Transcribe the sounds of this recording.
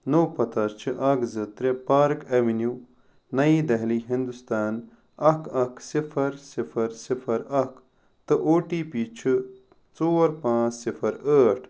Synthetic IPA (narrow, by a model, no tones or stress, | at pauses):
noːpɐt̪ɐɾt͡ʃʰɨʔɐkzɨt̪ɾepaːɾkɐʋinju | nɐid̪ɐɦliɦind̪ust̪aːn | ɐkʰɐksifʰɐɾsifʰɐɾsifʰɐɾɐk | t̪ɨʔoːʈiːpiːt͡ʃʰɨ | t͡soːɾpãːt͡ssifʰɐɾəːʈʰ